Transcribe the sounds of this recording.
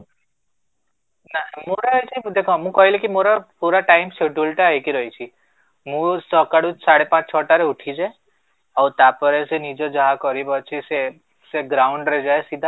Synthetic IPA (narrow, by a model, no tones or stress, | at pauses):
namoɾɔjt͡ʃʰid̪ekʰɔ̃mũkɔɦilekimoɾɔpuɾaʈajmseɖulʈaaɦekiɾɔɦit͡ʃʰi | mũsɔkaɽusaɽepãt͡ʃt͡ʃʰɔʈaɾeuʈʰid͡ʒae | awt̪apɔɾesenid͡ʒɔd͡ʒɔɦakɔɾibɔt͡ʃʰise | seɡɾawɳɖɾed͡ʒaesid̪ʱa